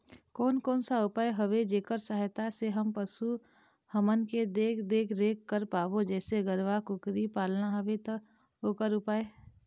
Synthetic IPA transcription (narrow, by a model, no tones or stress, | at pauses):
kɔːnkɔːnsaʊpaːeɦɐʋed͡ʒeːkəɾsəɦjt̪aseɦəmpəsu | həmənked̪eːkʰd̪eːkʰɾeːkːəɾpaːʋod͡ʒɛːseɡəɾʋakʊkɾipaːlnaɦəʋet̪ | oːkəɾʊpaːe